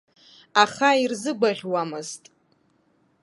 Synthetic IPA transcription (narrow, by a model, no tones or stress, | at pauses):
aχairzɨɡʷaʁʲwamɨztʼ